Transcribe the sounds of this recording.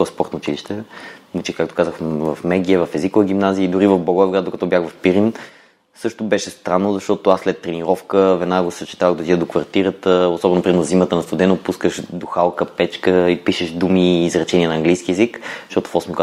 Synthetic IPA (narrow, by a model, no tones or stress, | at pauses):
ɔspɔɾt̪noʊt͡ʃiliʃt̪ɛmut͡ʃikak̚t̪o̥kazəxvɐfmɛɡ̟iəvɐfɛzikovəɡ̟ʲimnaziəid̪ʊɾivəvboɡoɛvɡɾad̪okɐt̪ɔbjaxvɐfpiɾin | sɤʃt̪obɛʃɛst̪ɾanːozɐʃt̪ɔt̪oaslɛt̪ːɾɛniɾɔfkəvɛnaɡosət͡ʃi̥t̪avəɣd̪ozid̪əd̪okvɐɾt̪iɾət̪əosɔbɛnopɾiɛnzzimət̪ənɐst̪ud̪ɛnopuskəʃd̪oxalˠkəpɛt͡ʃkəipiʃɛʒd̪umiːzɾɐt͡ʃɛniɛnɐːŋɡlijsk̟ʲiɛzikʃt̪ɔt̪ʊ̥fɔsmik